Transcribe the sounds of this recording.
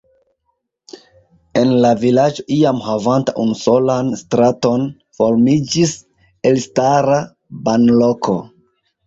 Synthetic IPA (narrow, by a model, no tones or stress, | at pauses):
e̞nlavilad͡ʒo̞ʔiamhavantaʔunuso̞lanstɾato̞n | fo̞ɾmid͡ʒis | e̞lstaɾa | banlo̞kʰo̞̰